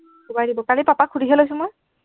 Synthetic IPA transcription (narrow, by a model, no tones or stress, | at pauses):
kʰubajdibɔkalipapakʰudʱiɦelojs̬ʊ̃mɔj